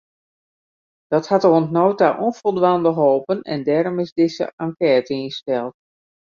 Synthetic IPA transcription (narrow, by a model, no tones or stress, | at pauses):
d̥ɔthatərontnoːtaʔɔnfɔlˠdʋandəɦoːpənɛ̰ndɛːɾomɪzdɪsə̰aŋkɛːtəinstɛlˠt